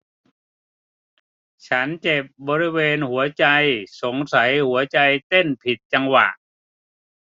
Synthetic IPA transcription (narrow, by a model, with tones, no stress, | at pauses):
t͡ɕʰa˦˥nt͡ɕe˨˩p̚bɔː˧ɾi˦˥weː˧nhu˩˦ɐt͡ɕa˧jso˩˦ŋsa˩˦jhu˩˦ɐt͡ɕa˧jt̪e˥˩npʰi˨˩t̪̚t͡ɕa˧ŋwa̰˨˩ʔ